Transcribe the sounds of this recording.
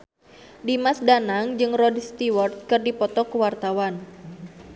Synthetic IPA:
dimasdanaŋd͡ʒɨŋrɔdst̪iwɔrt̪̚kɨrdipɔt̪ɔkuwart̪awan

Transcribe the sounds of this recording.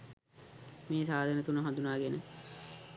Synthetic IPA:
meːsaːd̪ʱənət̪unəɦand̪unaːɡenə

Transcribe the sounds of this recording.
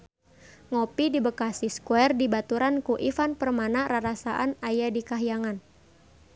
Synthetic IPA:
ŋopidibəkasiskwɛrdibat̪uɾankuʔifanpərmanaɾaɾasaʔanajadikaɦijaŋan

